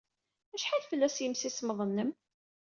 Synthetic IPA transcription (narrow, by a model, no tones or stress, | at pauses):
æʃħaðfəlːæsjəmsisməðˤənːəm